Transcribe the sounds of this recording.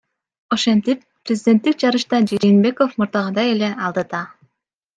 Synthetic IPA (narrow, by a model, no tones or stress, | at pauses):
oʃent̪ipːrʲezʲɪdʲe̞nt̪ːik̚d͡ʒɑɾɯʃt̪ɑd͡ʒeɾinbe̞kofmuɾd̪ɑʁɑd̪ɑjeleɑlˠd̪ɑt̪ɑ